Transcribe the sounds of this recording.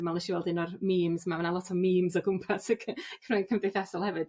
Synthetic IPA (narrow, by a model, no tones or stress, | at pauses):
malˠɛʃiwɛlˠdɪnɔrmiːmzmamanalˠɔtʰɔmiːmzɔɡʊmpʰasəkʰkʰənojnkʰəmdejθasɔlˠhɛvɨd̥